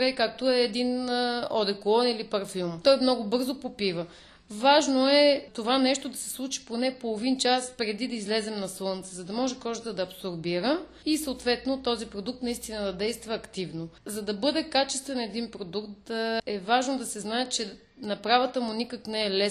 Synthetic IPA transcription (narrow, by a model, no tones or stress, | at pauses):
ɾɛjkak̚t̪oɛːd̪inɔd̪ɛkolˠɔnilipɐɾfilˠmt̪ɔjmnɔɡʊbɤɾzopopivə | vaʒnoɛt̪ovanɛʃt̪od̪ɐsɛ̥slˠut͡ʃi̥ponɛpolˠovint͡ʃaspɾɛd̪id̪ɐizlɛzɛmnɐslˠɤnt̪səzɐd̪ɐmɔʒɛkɔʒət̪əd̪ɐːpsoɾbiɾə | isɐot̪vɛt̪not̪ɔzipɾod̪uk̚t̪nɐist̪inəd̪ɐd̪ɛjst̪vɐːkt̪ivnozɐd̪ɐbɤd̪ɛkat͡ʃɛst̪vɛnɛd̪inpɾod̪ukt̪əɛvaʒnod̪ɐsɛznaɛt͡ʃɛ | nɐpɾavət̪əmʊnikəknɛɛlɛ